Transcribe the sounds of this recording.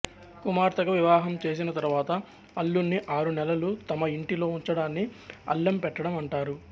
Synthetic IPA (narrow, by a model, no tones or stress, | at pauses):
kumaːɾt̪ɐkɐʋiʋaːɦɐmt͡ʃe̞ːs̬inɐt̪ɐɾuʋaːt̪ɐ | ɐlːunːiʔaːɾunɛlɐlut̪ɐmɐiɳʈilo̞ːuɲt͡ʃɐɽaːnːiɐ̰lːɐmpɛʈːɐɽɐmɐɳʈaːɾu